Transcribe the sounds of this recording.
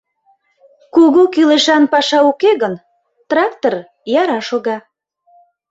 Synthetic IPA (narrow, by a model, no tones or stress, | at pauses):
kuɣokyleʃɑnpɑʃɑukeɣən | t̪rɑk̚t̪or | jɑɾɑʃoɣɑ